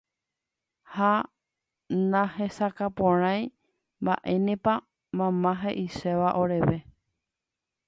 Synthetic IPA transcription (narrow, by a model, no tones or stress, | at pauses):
ha | nãhe̞sakapõɾ̃ãj̃ | mba̰ʔe̞nẽpa | mãmãɦeʔiʃeʋaʔo̞ɾe̞ʋe̞